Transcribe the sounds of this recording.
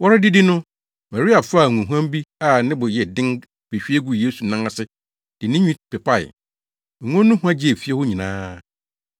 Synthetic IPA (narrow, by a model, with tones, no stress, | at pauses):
wɔ˦ɾɪ˦dɪ˦dɪ˦nʊ̃˦ | ma˨ɾi˦a˨fa˦˨ŋũ˨ɦã˦m˦bi˦a˨nɪ̃˦bʊ˨jɛ˨dɪ̃˦ŋ | b̥e˨ɕᶣi˦e˦ɡu˨je˦su˨nã˦ŋa˦˨sɪ˦ | d̥ɪ˨nɪ̃˦ɲᶣĩ˦˨pʰɪ˨pʰa˦˨ɪ̰˨ | ŋʊ̃˦nʊ̃˦hũ˦ã˦d͡ʑɪ˦e˨fi˦ɛ˦hʊ˦ɲĩ˨nãː˦